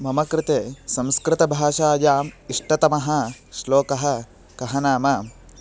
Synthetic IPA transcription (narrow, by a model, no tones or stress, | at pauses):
mɐmɐkɾɪt̪eːsɐ̃mskɾɪt̪ɐbʱaːʃaːjaːmiʂʈɐt̪ɐmɐɦɐ̆ʃloːkɐɦɐ̆ | kɐɦɐnaːmɐ